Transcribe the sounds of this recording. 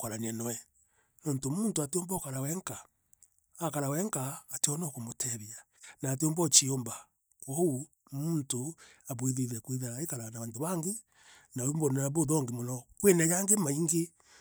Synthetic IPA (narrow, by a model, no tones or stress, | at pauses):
kwaɾanianɔwɛ | nɔntomuːntoateombɔkaɾawɛŋkaː | kaɾawɛŋkaːteɔnɔkomotʰɛɾia | naːt̬eombɔt͡ʃiomba | kwɔu | muntoaβweðeðɛkwiðaekaɾanaβantoβaŋɡe | naumbɔnaβoðɔŋɡemonɔkwenajaŋɡemaiŋɡe